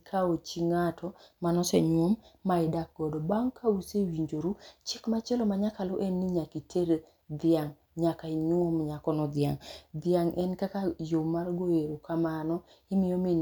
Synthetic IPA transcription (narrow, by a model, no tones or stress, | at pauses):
kʰaot͡ʃiŋatʰɔmanɔsɛɲwomːaɪdak̚ɡ̥ɔdɔbaŋkʰausewiɲd͡ʒoɾut͡ʃɪkmat͡ʃɛlɔmaɲakaloʔenːɪɲakitʰeɾe | d̪ɪaŋ | ɲakaɪɲomɲakɔnɔd̪jaŋd̪jaŋʔɛnkakajomarɡoeɾokamanɔ | ɪmɪjɔmɪ